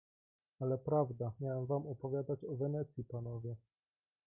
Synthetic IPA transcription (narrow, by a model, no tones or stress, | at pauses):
alɛpɾavd̪amʲjawɛmvamɔpɔvʲjad̪at͡ɕɔvɛnɛt̪sʲjipanɔvʲjɛ